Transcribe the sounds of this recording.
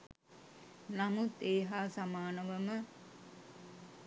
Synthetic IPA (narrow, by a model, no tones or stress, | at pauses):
namut̪eːɦaːsamaːnəʋəmə